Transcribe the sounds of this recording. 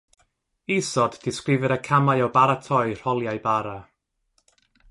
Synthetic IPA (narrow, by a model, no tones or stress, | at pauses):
isɔdːɪskrɪvɨɾəkʰamaɨɔwbaɾatʰɔɨr̥ɔlˠjajbaɾa